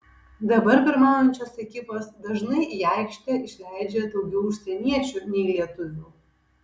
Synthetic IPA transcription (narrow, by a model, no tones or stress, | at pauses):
d̪ɐbɐɾpʲɪɾmɑːnonʲt͡ʃʲoːsɛkʲɪposd̪ɐʒnɐɪʔiɛɪkʃʲt̪ʲɛɪʃʲlʲæɪd͡ʒʲɛd̪oʊɡʲɛʊʊʃʲsʲɛnʲiɛt͡ʃʲunʲɛlʲiɛt̪ʊʋʲuː